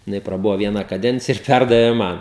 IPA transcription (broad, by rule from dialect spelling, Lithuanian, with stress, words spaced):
jɪˈnɐɪ prɐˈbʊʋoː ˈʋʲiɛnɐ kɐˈdʲɛnʲt͡sʲɪjɛ ɪr ˈpʲærdɐʋʲeː ˈmɐn